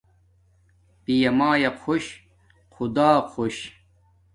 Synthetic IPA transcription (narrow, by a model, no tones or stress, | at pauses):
pijɐmaːjɐqʰoɕ | qʰud̪aːqʰoɕ